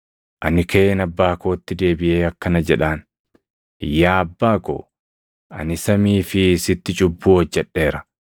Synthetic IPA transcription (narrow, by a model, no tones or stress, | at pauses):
ʔɐnɪkɐeːnɐbːaːko̞ːt̪ːɪd̪e̞ːbɪʔe̞ːɐkːɐnɐd͡ʒɛᶑaːn | jaːɐbːaːko̰ː | ɐ̰nɪsɐmiːfɪsɪt̪ːɪt͡ʃʼʊbːuːɔd͡ʒːɛᶑːe̞ːɾɐ